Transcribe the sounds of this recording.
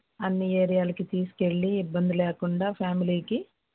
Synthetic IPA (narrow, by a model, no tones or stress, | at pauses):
ɐnːieːɾijaːlɐkit̪iːsu̥ke̞ɭːiːbːɐnd̪ileːkuɳɖaːpʰaːmiliːki